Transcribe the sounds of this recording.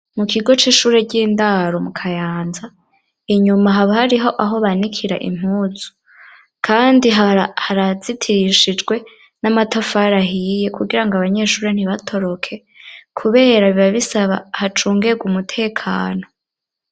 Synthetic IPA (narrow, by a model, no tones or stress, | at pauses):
mukʰiɡo̞t͡ʃiːʃuːɾeɟiːndaɾo̞mukʰajaːnza | iɲumaɦaβahaɾiɦo̞ʔaɦo̞βanikʰiɾaʔḭm̥huːz̥u̥ | kʰaːndiɦahaɾaz̥itʰiɾiʃid͡ʒɡwe̞ | namatafaɾaɦije̞kuɡiɾaŋɡaβaɲe̞ʃuːɾen̥hiβatʰo̞ɾo̞kʰe̞ | kʰuβe̞ːɾaβiβaβisaβa̰hat͡ʃuːŋɡeɡumutʰe̞ːkʰaːno̞